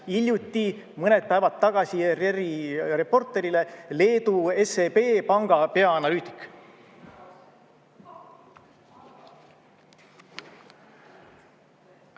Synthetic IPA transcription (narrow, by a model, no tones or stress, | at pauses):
ilʲjut̪ʲːˑi | mɤned̪̚pæevɑt̪ːɑɡ̥ɑsiereɾire̞po̞rt̪ːˑe̞ɾile̞le̞ːd̪ue̞sepeːpɑŋɡ̥ɑpe̞ɑɑnɑlyːt̪ˑi̥kːˑ